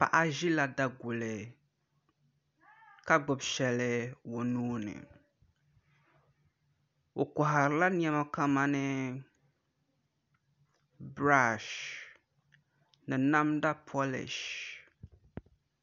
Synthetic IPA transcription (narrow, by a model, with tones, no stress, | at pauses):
pa̰˨ʔa˦ʒi˦la˨da˨ɡʊ˨lɪ˨ | ka˦ɡ͡bʊ˨bʃɛ˨lɨ˦wo˨nuː˦nɨ̰˨ | o˨kɔ˨ɦa˨ɾɨ˨la˦n˦ɛ˦ma˦ka˦ma˦nɨ˦ | bɾa˦˨ʃ | nɨ˨na˦mda˦pʰɔ˦lɪ̰˨ʃ